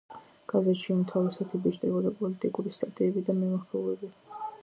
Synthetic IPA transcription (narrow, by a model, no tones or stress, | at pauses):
ɡ̥azɛt̪ʃiumt̪ʰavɛsat̪ʰibit͡ʃt̪ʼɛbɔd̪apʼɔlit̪ʼikʼuɾist̪ʼat̪ʼiɛbid̪amɛmaɾpʰɛlɛbi